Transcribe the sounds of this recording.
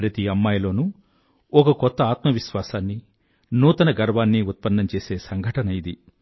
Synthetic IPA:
ɾɐt̪iɐmːaːjɐlo̞ːnu | ɔkɐkɔt̪ːɐaːt̪mɐʋiʃʋaːsaːnːi | nuːt̪ɐnɐɡɐɾʋaːnːiut̪̚pɐnːɐmt͡ʃeːse̞ːsɐŋɡʱɐʈɐnɐid̪i

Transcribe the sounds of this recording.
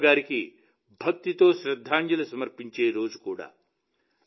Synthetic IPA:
ɡaːɾiki | bʱɐk̚t̪it̪oːsɾɐd̪ʱːaːnd͡ʒilɐsɐmɐɾpiɲt͡ʃeːɾoːd͡zkoːɽa̰ː

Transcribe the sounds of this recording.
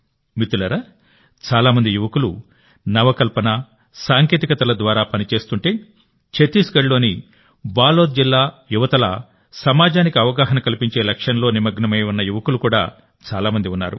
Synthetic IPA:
mit̪ːulɐɾɐ | t͡ʃaːlaːmɐnd̪ijuʋɐkulu | nɐʋɐkɐlpɐnɐ | saːŋke̞ːt̪ikɐt̪ɐlɐd̪ʋaːɾaːpɐnit͡ʃe̞ːst̪uɳʈe̞ː | t͡ʃet̪iːsɡɐɽlo̞ːni | baːloːt̪̚d͡ʒilːaː | juʋɐt̪ɐlɐ̰ | sɐmaːd͡ʒaːnikɐɐʋɐɡaːɦɐnɐkɐlipiɲt͡ʃe̞ːlɐkʂɐnɐlo̞ːnimɐɡnɐmɐjunːɐjuʋɐkulukuːɽa̰ː | t͡ʃaːlaːmɐnd̪iunːa̰ːɾṵ

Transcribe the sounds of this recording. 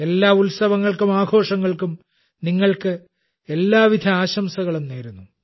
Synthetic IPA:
e̞lːaːulsɐʋɐŋːɐɭkumaːɡʱo̞ːʂɐŋːɐɭkum | niŋːɐɭkɨ | e̞lːaːʋid̪ʱɐaːɕɐmsɐɣɐɭumneːɾunːu

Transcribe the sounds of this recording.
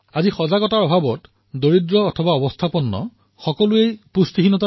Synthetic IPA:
azixɔzaɡɔtaɹɔbʱabɔt | doɹidɹɔːtʰɔbaɔbɔstʰapɔnːɔ̰ | xɔkɔluejpust̪ixinɔta

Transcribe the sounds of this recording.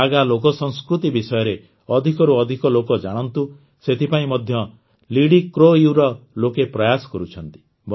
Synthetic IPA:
aɡalokɔsɔŋskɾut̪ibisɔjɔɾe | ɔd̪ʱikɔɾuɔd̪ʱikɔlokɔd͡ʒaɽ̃ɔnt̪u | set̪ʰipaĩmɔd̪ʱjɔ | liɽikɾoiwɾɔlokepɾɔjasɔ̥kɔɾut͡ʃʰɔnt̪i̥ | b

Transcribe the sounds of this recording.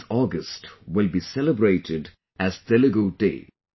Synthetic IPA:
ɔɡəsʈwɪlbisɛləbɾeɪʈʰɪɖ | æzt̪ɛləɡoːɖḛː

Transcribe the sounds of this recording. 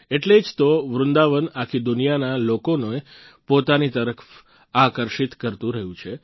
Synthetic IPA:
eʈled͡ʒt̪oʋɾʊnd̪aʋənakʰid̪ʊnijanalokonoe | pot̪anit̪əɾəkʰf | akəɾʃit̪kəɾt̪ũɾəɦjũt͡ʃʰe

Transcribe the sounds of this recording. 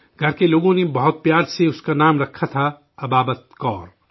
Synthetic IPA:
ɡʱɐɾkeloːɡõnebɐɦʊt̪̚pjaːɾseʊskanaːmɾɐkʰːat̪ʰa | ɐbaːbət̪̚kɔːɾ

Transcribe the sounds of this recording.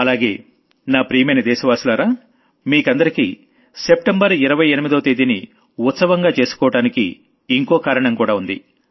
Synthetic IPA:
ɐlaːɡe̞ː | naːpɾiːmejnɐd̪ɛːʃɐʋaːsulaːɾaː | miːkɐnd̪ɐɾikḭ | se̞p̚ʈembɐɾiɾɐʋɐjenimid̪oːt̪ed̪inḭ | ut̪sɐʋɐŋɡaːt͡ʃe̞ːsu̥kɔːʋɐɽaːnikḭː | ŋkɔːkaːɾɐɳɐmkuːɽaːund̪ḭ

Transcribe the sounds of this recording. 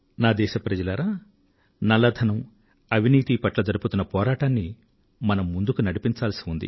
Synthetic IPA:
naːd̪ɛːʃɐpɾɐd͡ʒɐlɐɾaː | nɐlɐd̪ʱʰɐnɐm | ɐʋʱiniːt̪ipɐʈlɐd͡ʒɐɾuput̪unːɐpɔːɾaːʈaːnːi | mɐnɐmːund̪ukunɐɽipiɲt͡ʃaːlɐsi̥und̪ḭ

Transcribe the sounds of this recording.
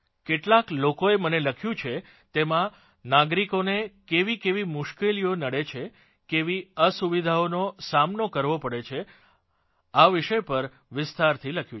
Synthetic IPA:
keʈlaklokoeməneləkʰjũt͡ʃʰe | t̪emã | naɡɾikonekeʋikeʋimʊʃkelijonəɽet͡ʃʰe | keʋiəsuʋid̪ʱaonosamnokəɾʋopəɽet͡ʃʰe | aʋɪʃəjpəɾ | ʋɪst̪aɾt̪ʰiləkʰjũ

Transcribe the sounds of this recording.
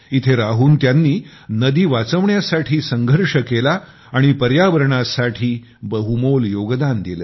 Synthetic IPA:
it̪ʰeɾaɦuːnt̪janːiː | nəd̪iːʋat͡səʋɳjasaʈʰiːsəŋɡʱəɾʂəkelaː | ɽ̃ipəɾjaʋəɾɳasaʈʰiː | bəɦumoljoɡd̪and̪iləː

